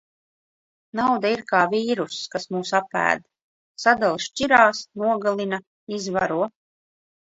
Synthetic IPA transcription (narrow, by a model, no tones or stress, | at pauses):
nawd̪aiɾkaːviːɾuskasmuːsapæ̰ːd̪ | sad̪alˠʃt͡ʃʲiɾaːsnuɔɡalˠina | izvaɾuɔ